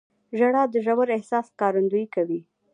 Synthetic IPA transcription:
ʒaɽɑd̪əʒawaɾɪhsɑskɑɾand̪ujikawi

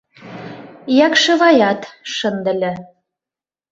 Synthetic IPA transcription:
jɑkʃɤ̆βɑjɑt̪ʃə̆nd̪ə̆lʲɘ̆

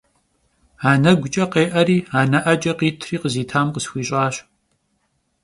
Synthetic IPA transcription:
aːnɐɡʷʊt͡ʃʼɐqeːʔɐɾiːaːnɐʔɐt͡ʃʼɐqiːtʰriːqəziːtʰaːmqəsxʷiːɕʼaːɕ

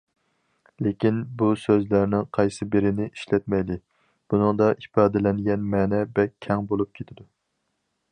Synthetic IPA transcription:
lekʲinbusøzlæɾnɪŋqʰɑjsɨbeɾɪnɪʔiʃlɛt̪̚mɛjlɪ | b̥unɨŋd̪ɑʔipɑːd̪ɛlɛnɡʲɛnmɛːnɛbɛkʲʰːɛŋbolˠup̚kʲʰet̪ʰɪd̪u

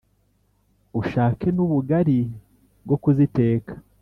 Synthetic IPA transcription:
uʃaːke̞nuβuɡaɾi | bɡo̞kuzite̞ːkḁ

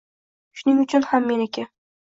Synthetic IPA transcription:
ʃʊnɪŋʊt͡ʃʰʊnhamːe̞nekʲa

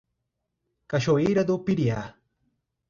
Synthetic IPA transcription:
kaʃoiɾad̪upiɾja

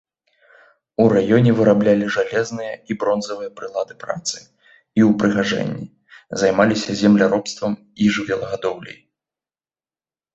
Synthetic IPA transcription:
uɾajɔnʲɛvɨɾablʲalʲiʐalʲɛznɨjɐibɾɔnzɐvɨjɐpɾɨlˠad̪ɨpɾa̰t̪sɨ̥ | iwpɾɨɣaʐɛ̰nʲːḭ | zajmalʲisʲɐzʲɛmlʲaɾɔpst̪vɐm | iʐɨvʲɛlˠɐɣad̪ɔwlʲɛ̰j

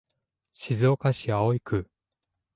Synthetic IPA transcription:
ɕizɨokaɕiaoikʰɯ̟

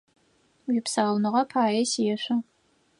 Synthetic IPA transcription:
wipʰsaːlnɨʁɐpʰaːjɛsijɛʃʷɐ

